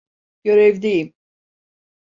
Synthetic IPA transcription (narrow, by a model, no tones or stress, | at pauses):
ɟ̥øɾɛvd̪ejim